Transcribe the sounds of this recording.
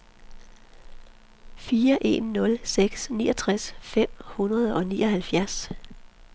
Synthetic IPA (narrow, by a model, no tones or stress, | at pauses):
fiːɐʔe̝̰nːɔ̽lseɡ̥snḭːɒ̽t͡sʰʁasfem̰hunʁɐð̞ˠɒ̽nḭːʔɒ̽hælfjæɐs